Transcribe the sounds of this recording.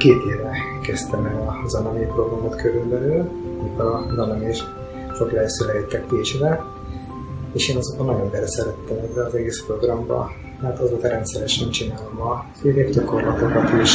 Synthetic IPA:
keːt̪eːvɛ | kɛst̪ɛmɛlɒzɒnɒmipro̞ɡrɒmot̪køɾylbɛlyːlmik̪ɒzɒnɒmeʃ | t͡ʃoklɛɛsøːlɛjit̪ːɛkt̪it͡ʃdɛ | eːʃeːnɒzombɒnːɒɟonbɛɾɛsɛɾɛt̪ːɛmɛbːɛɒzɛɡeːspro̞ɡrɒmbɒ̰ | aːt̪ɒzoːt̪ɒɾɛnt̪sɛɾɛʃɛnt͡ʃinaːlo̞mɒfyːleːkt͡ʃɒko̞rlɒt̪okɒt̪iʃ

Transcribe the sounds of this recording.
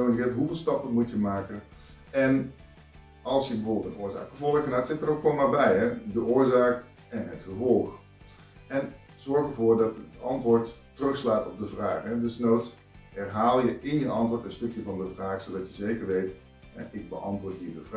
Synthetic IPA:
owlkɛtɦuvɪːlˠstɑpənmutjəmaːkən | ɛn | ɑlˠsjəbəvoʊːbəlˠtənʔʊːɹza̰ːkəvɔlˠəχənaːtsɪtəɾokʋɔnmaːɹbɛjɛdəʔʊːɹzaːk | ɛnɦətχəvɔlˠχ | ɛn | z̥ɔɹχəvʊːɹdɑtətɑntʋʊːɹtː | ərɵχslaːtɔb̚dəvraːχɛdəsnowts | hɛrɦaːlˠjəɪnjəʔɑntʋʊːɹtənstɵkjəvɑndəvraːχsowdɑtjəzejkəɹʋejt | ɛ̰ʔɪɡ̚bə̰ʔɑntʋʊːɹtɦidəvr

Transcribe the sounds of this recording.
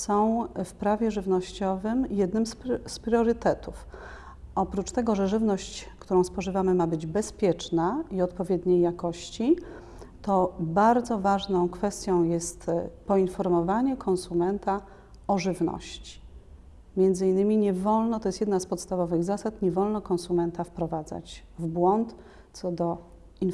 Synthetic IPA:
sɔ̃w̃fpɾavʲjɛʐɘvnɔɕt͡ɕɔvɘmjɛd̪nɘmsspɾʲɔɾɘt̪ɛt̪uf | ʔɔpɾut͡ʂt̪ɛɡɔʐɛʐɘvnɔɕt͡ɕkt̪uɾɔ̃w̃spɔʐɘvamɘmabɘd͡ʑbɛspʲjɛt͡ʂnaiɔt̪pɔvʲjɛd̪ɲejːakɔɕt͡ɕi | t̪ɔbaɾd̪zɔvaʐnɔ̃w̃kfɛst̪ʲjɔ̃w̃jɛst̪pɔinfɔɾmɔvaɲɛkʰɔ̃ñsumɛnt̪a | ɔʐɘvnɔ̰ɕt͡ɕi̥ | mʲjɛnd̪zɘinːɘmʲiɲɛvɔlnɔt̪ɔjɛst̪jɛd̪naspɔt̪st̪avɔvɘɣzasat̪ɲɛvɔlnɔkɔ̃nsumɛnt̪afpɾɔvad̪za̰t͡ɕvbwɔnt̪ | sɔd̪ɔ | in

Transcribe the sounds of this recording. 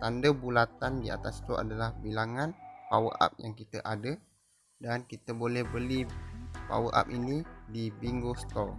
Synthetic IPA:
t̪andəbulat̪andia̰t̪ast̪uʔa̰dalahbilaŋanpawə̰ʔa̰p̚jaŋkit̪ə̰ʔadə | dankit̪əbolɛhbəlipa̰wə̰ʔa̰p̚inidibiŋɡost̪ɔr

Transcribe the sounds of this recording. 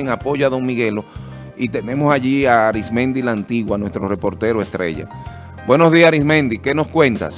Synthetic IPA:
eŋapo̞ʝoaðo̞ŋmiɣe̞lo | it̪e̞nẽ̞mo̞saʝiaɾismẽ̞nd̪ilaːnt̪iɣwanwe̞st̪ɾore̞po̞ɾt̪e̞ɾoest̪ɾe̞̰ʝa̰ | bwe̞no̞zðiasɾismẽ̞nd̪ike̞no̞skwe̞nt̪a̰s

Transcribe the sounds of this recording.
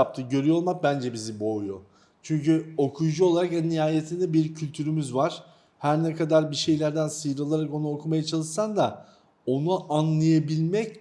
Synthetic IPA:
ap̚t̪ʰɯɟø̞ɾyjolˠmak̚bænd͡ʒɛbizibojo | t͡ʃʰyɲcyo̞kʰujud͡ʒuo̞lˠaɾakɛnːijaːjet̪ʰind̪ɛbiɾcʰylʲt̪ʰyɾymyzvaɾ̥ | hæɾnɛkʰad̪aɾbiʃe̞jlʲæɾd̪ænsɯjɯɾalˠaɾako̞nuokʰumajat͡ʃʰalˠɯʃsand̪a | o̞nuʔanlˠajabilʲmɛc

